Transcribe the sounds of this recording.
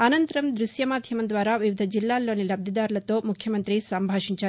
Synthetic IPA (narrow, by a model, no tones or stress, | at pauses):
ɐnɐnt̪ɐɾɐmd̪ɾusjɐmaːd̪ʱjɐmɐnd̪ʋaːɾaːʋiʋid̪ʱɐd͡ʒilːaːlːo̞ːnilɐb̚d̪ʱɐd̪aːɾulɐt̪o̞ːmukʰjɐmɐnt̪ɾisɐmbʱaːʂiɲt͡ʃaː